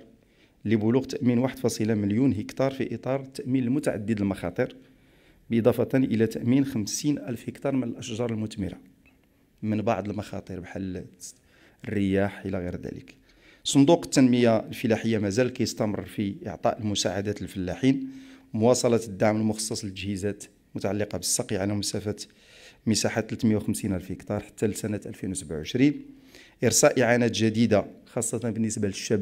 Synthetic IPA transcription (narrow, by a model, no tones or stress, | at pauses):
lːibʊluɣt̪əʔminwaħəd̪fɑsˤilaməljunɦəkt̪ɑɾˤfiʔət̪ˤɑɾˤt̪ːæʔminəlmʊt̪aʕa̰d̪ːəd̪əlmɑxɑ̰t̪ˤəɾ | bʔid̪ˤɑfɑt̪ænʔəlæt̪æʔminxəmsinʔælfhəkt̪ɑɾˤmənəlʔəʃʒɑɾˤəlmʊt̪məɾa̰ | mənbɑ̰ʕd̪ˤəlmɑxɑ̰t̪ˤəɾbħalː | ərːəjaħʔəlæɣiɾd̪æ̰lə̰k | sˤond̪uqə̥t̪ːənməjaəlfəlaħəjːamæzælkæjəst̪æmə̰rˤːfiʔə̰ʕt̪ˤɑ̰ʔəlmʊsa̰ʕad̪æt̪əlfəlːaħinmʊwɑsˤɑlɑt̪əd̪ːaʕməlmʊxɑ̥sˤːɑsˤəlt̪ːəd͡ʒhizæt̪ | lmʊt̪aʕalːiqɑbəsːɑqjʕlæməsæfæt̪ | məsaħat̪ːlt̪məjawxəmsinælfhəkt̪ɑɾˤħḁt̪ːælisænət̪ʔælfinwsəbʕuʕəʃɾin | ʔəɾsæʔəʕanæt̪ʒəd̪id̪axɑsˤːɑt̪ɑnbənːəsbæləʃːæb